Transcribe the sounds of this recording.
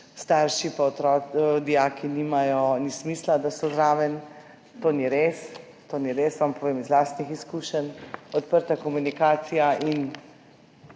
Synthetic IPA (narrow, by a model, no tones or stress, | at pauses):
st̪aɾʃipaɔt̪ɾɔd̪ijaːkinimajɔnismiːslad̪asɔzɾaːʋən | t̪oːniɾeːs | t̪oːniɾesʋampɔʋeːmizlaːst̪nixiskuʃənɔt̪pəɾt̪akɔmunikaːt̪sijaʔin